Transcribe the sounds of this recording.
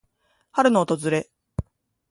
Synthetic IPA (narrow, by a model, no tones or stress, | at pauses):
haɾɯ̟noːt̪o̞zɨɾe̞